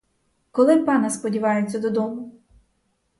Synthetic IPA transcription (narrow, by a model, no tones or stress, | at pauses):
kɔlˠɪpɑnɐspɔdʲiʋɑjet͡sʲːɐd̪ɔd̪ɔmʊ